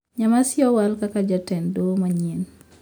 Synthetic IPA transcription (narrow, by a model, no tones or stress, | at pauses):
ɲamasjɔwalkakad͡ʒatɛndomaɲen